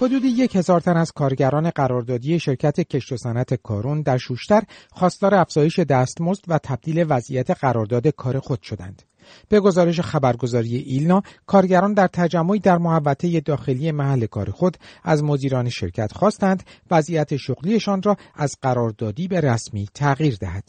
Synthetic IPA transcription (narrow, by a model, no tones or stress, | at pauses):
ho̞d̪uːd̪ije̞che̞zɒːɾt̪ʰænæz̥kʰɒːɾɟæɾɒːne̞ɢæɾɒːɾd̪ɒːd̪ije̞ʃe̞ɾcʰæt̪ʰe̞cʰe̞ʃt̪o̞sænæt̪ʰe̞kʰɒːɾund̪æɾʃuːʃt̪æɾxɒːst̪ɒːɾeæfz̥ɒːje̞ʃe̞d̪æːst̪mozd̪̥væt̪ʰæb̚d̪iːle̞væzijæt̪ʰe̞ɢæɾɒːɾd̪ɒːd̪e̞kʰɒːɾe̞xo̞d̪̥ʃo̞d̪æ̰nd̪̥ | b̥e̞ɡo̞zɒːɾe̞ʃ̬e̞xæbæɾɡo̞zɒːɾije̞ʔilnɒːkʰɒːɾɟæɾɒːnd̪æɾt̪ʰæd͡ʒæmːo̞iːd̪æɾmohævːæt̪ʰe̞je̞d̪ɒːxe̞lije̞mæhælːe̞kʰɒ̰ːɾe̞xo̞d̪æzmod̪iːɾɒːneʃe̞̰ɾcʰæt̪ʰxɒːst̪ænd̪væzʔijæt̪ʰe̞ʃoɣlie̞ʃɒnrɒːæzɢæɾɒːɾd̪ɒːd̪iːbe̞ɾæsmiːt̪ʰæɣiːɾd̪æhɦæd̪̥